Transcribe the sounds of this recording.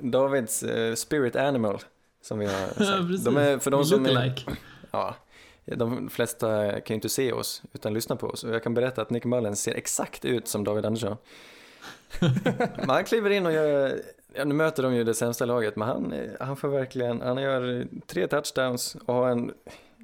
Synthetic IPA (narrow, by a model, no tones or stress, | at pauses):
d̪ɑːvɪd̪sspɪɾɪt̪ænɪmal | sɔmvɪha̰ɾad̪ɔmæfœɖɔmssɔm | jɑ̰ː | d̪ɔmflɛst̪akʰanjʏɪnt̪əseːɔ̰sʉ̟ːt̪anlʏsnapʰɔ̰ɔ̰sɔjɑɡkʰanbɛɾɛt̪ːaːt̪nɪkːmɑlːɪnsḛːɾʔɛ̰ksakt̪ʉ̟ːt̪sɔmd̪ɑːvɪd̪and̪əʂɔn | mɛnhankʰliːvəɾɪnːɔjɑ | jɑːnʉ̟ːmøːt̪əɖɔmjɵd̪ɛsɛmst̪alɑːɡət̪mɛnha̰nhanfoːɾvæɾklɪɡənhanjœːɾt̪ʰɾeːt̪ʰatʂd̪aʊnsɔhaɾɛn